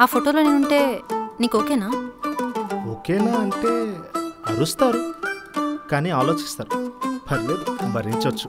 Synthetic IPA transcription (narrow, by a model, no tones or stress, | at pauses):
apʰoʈoloniuɳʈenikokena | okenaːɳʈe | aɾust̪aɾu | kanialot͡ʃʰi̥st̪aɾupʰɐɾledbɐɾint͡ʃɔt͡ʃʰu̥